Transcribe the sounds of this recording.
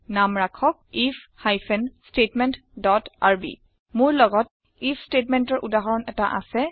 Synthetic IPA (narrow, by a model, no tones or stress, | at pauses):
namɹakʰɔk̚ifʰhajpʰɛnstetmɛntdɔtaɹbḭ | mʊɹlɔɡɔt̚ | ifʰstetmɛntɔɹʔudaɦɔɹɔnɛtaʔa̰sɛ